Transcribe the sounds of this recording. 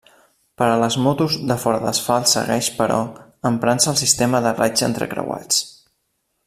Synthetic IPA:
pəɾələzmɔt̪uzðəfɔɾəðə̰sfalˠsə̰ɣɛʃpəɾɔəmpɾansəːlˠsist̪eməðərad͡ʒə̰nt̪ɾə̰kɾə̰wa̰t͡s

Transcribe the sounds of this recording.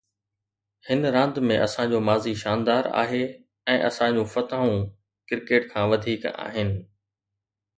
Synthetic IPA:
hɪnɾãːnd̪mẽʔɐ̰sãd͡ʑoːmaːziʃaːnd̪aːɾa̰ːɦe | ɛ̃ːʔɐ̰sãd͡ʑũfɐt̪aːũ | kɪɾkeːʈkʰãːʋɐd̪ʱiːka̰ːɦɪnɪ̆

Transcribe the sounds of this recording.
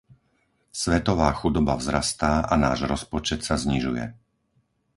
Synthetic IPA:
sʋɛt̪ɔʋaːxud̪ɔbavzɾast̪aːʔanaːʒɾɔspɔt͡ʃɛt̪sazɲiʒujɛ̰

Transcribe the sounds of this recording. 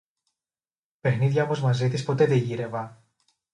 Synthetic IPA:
pe̞xniðʝɐo̞mo̞zmɐzit̪ispo̞t̪e̞ðeʝiɾe̞vɐ

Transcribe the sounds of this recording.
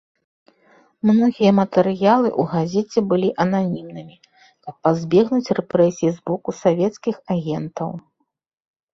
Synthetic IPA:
mnɔɣʲijɐmɐt̪ɛɾɨjalˠɨ̰ʔuɣazʲɛt͡sʲɛbɨlʲiʔɐnanʲimnɨmʲi | kɐpːazʲbʲɛɣnut͡sʲrɛpɾɛsʲijizbɔkusavʲɛt̪skʲixaɣʲɛnt̪ɐw

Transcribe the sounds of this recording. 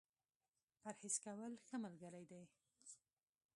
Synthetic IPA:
paɾhɪskawəlxəmalɡəɾajd̪aj

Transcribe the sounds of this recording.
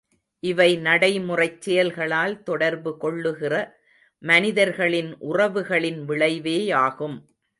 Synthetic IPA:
ʔɪʋɐɪnɐɽɐɪmʊrɐɪt͡ʃːɛjɐlɣɐɭaːlt̪ɔɽɐɾbɯkɔɭːɯɣɪrɐ | mɐnɪðɐɾɣɐɭɪnʔʊrɐʋɯɣɐɭɪnʋɪɭɐɪʋeːjaːɣɯm

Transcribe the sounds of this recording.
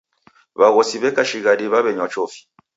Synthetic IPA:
βaɣɔsiβɛkaʃiɣadiβaβɛɲwat͡ʃɔfi̥

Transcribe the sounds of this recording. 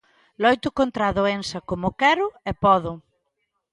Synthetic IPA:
lɔjt̪ʊkont̪ɾaðoensɐkomʊkɛɾʊɛpɔðʊ

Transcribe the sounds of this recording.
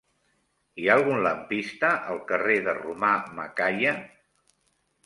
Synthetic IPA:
ialˠɣunləmpist̪əʔəlˠkəreðərumamə̰kajə

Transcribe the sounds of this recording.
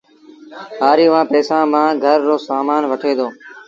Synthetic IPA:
ɦaːɾiːʋãːpɛːsãːmãːɡʱəɾːoːsaːmaːnʋəʈʰeːd̪oː

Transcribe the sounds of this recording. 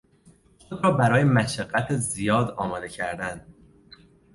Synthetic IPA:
xod̪ɾɒːbæɾɒːjemæʃæɡːæt̪ʰezijɒːd̪ɒːmɒːd̪e̞cʰæɾd̪ænd̪̥

